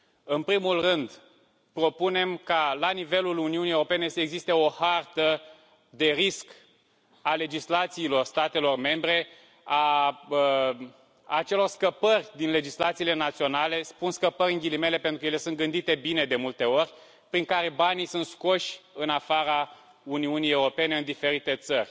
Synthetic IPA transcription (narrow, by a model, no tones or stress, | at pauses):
ɨnpɾimulrɨnd̪ | pɾo̞pune̞mkalanive̞luluniunijewɾope̞ne̞səeɡzist̪eo̞hart̪ə | d̪e̞ɾisk | ale̞d͡ʒislat̪siːlo̞rst̪at̪e̞lo̞rme̞mbɾe̞ | a | t͡ʃe̞lo̞rskəpərʲd̪inle̞d͡ʒislat̪siːle̞nat̪sio̞nale̞spunskəpəɾʲɨŋɡʲilime̞le̞pent̪ɾukjele̞sunt̪̚ɡɨnd̪it̪e̞bine̞d̪e̞mult̪e̞o̞rʲ | pɾiŋkaɾe̞banijsunt̪sko̞ʃʲɨnafaɾa | uniunije̞uɾo̞pe̞ne̞ɨnd̪ife̞ɾit̪e̞t̪sərʲ